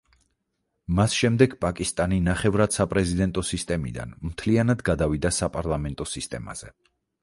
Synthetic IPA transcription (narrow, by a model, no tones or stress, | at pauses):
masʃɛmd̪ɛɡpʼakʼist̪ʼaninaχɛvɾad̪̥sapʼɾɛzid̪ɛnt̪ʼɔsist̪ʼɛmḭd̪a̰nmt̪ʰlianad̪ɡad̪avid̪asapʼaɾlˠamɛnt̪ʼɔsist̪ʼɛma̰z̥ɛ